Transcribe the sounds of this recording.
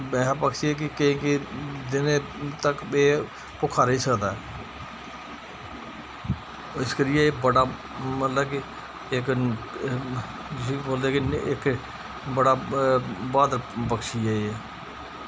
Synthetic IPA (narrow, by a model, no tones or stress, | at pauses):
ɛ̃ːpəkʃiɛk̬ɪkəĩːkid̪ɪnẽːt̪əkeː | pʊkʰːaːɾiːsəkd̪aːɛː | ɪskəɾɪjeeːbəɽaː | mət̪ləbki | ɪk | siːboːld̪eːkiɪk | bəɽaː | baːd̪əɾpəkʃiɛːɛː